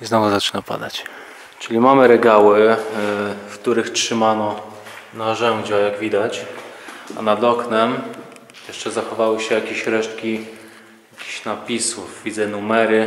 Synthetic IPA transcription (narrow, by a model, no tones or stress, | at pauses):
iznɔvuzat͡ʂɘ̥napa̰d̪at͡ɕ | t͡ʂɘlʲimamɘɾɛɡawɘ | fkt̪uɾɘxtʂɘmanɔ | naʐɛwd͡ʑajaɡvʲid̪at͡ɕ | a̰nad̪ɔknɛm | jɛʂt͡ʂɛzaxɔvawɘɕɛjakʲeɕɾɛʂt̪kʲi | jakʲe̥ɕnapʲisufvʲid̪zɛnumɛɾɘ